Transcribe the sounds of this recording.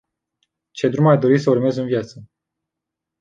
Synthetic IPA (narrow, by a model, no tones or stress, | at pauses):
t͡ʃe̞d̪ɾumajd̪o̞ɾisəurme̞zɨnvjat̪sə